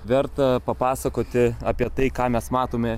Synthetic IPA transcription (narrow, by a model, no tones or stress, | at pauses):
ʋʲɛrt̪ɐpɐpɑːsɐkoːt̪ʲɪɑːpʲiɛt̪ɐɪkɑːmʲɛsmɑːt̪oːmʲɛ